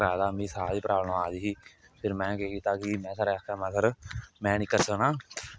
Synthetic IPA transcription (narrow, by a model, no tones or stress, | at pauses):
ɾaːd̪aːmĩːsaːd̪iːpɾaːbəɳːaːd̪iːɦiː | pʰɪɾmɛ̃ːkeːkiːt̪aːkimɛ̃ːsəɾɛːkʰaːmãːsəɾmɛ̃ːnɪkːəɾsəknãː